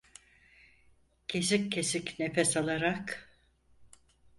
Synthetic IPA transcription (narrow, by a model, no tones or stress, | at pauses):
cʰe̞s̬ikːʰe̞sicnefɛsalˠaɾak